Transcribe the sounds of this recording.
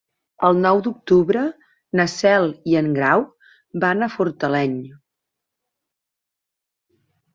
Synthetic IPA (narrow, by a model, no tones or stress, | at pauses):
əlˠnɔwd̪uk̚t̪uβɾə | nəsɛlˠiəŋɡɾaw | banəfuɾt̪əlɛɲ